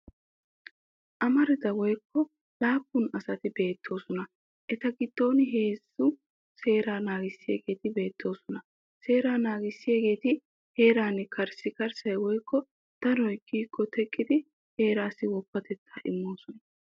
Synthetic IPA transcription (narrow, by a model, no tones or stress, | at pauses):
ʔɐmɐɾɪd̪ɐwɔjkʰːɔ | laːpːʊnɐsɐt̪ɪbe̞ːt̪ʰːo̞ːsɔnɐ | ʔɛt̪ɐɡɪd̪̥ːo̞ːnɪɦe̞ːzʊ | se̞ːɾaːnaːɡɪsːɪjḛːɡe̞ːt̪ɪbe̞ːt̪ːo̞ːsɔnɐ | se̞ːɾaːnaːɡɪsːɪjeːɡe̞ːt̪ɪ | he̞ːɾaːnɛkʰɐɾsɪkɐɾsɐjwɔjkːɔ | d̪̥ɐɾɔjkiːkːɔt̪ʰɛkʼːɪd̪ɪ | he̞ːɾaːsɪwɔpːɐt̪ɛt̪ːaːʔɪ̰mːo̞ːsɔnɐ